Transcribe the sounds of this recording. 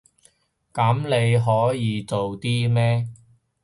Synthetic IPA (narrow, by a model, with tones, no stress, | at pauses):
kɐ˨˥mle˨˧jɦɔː˨˥jiː˨˧t͡so˨wt̪iː˥mɛː˥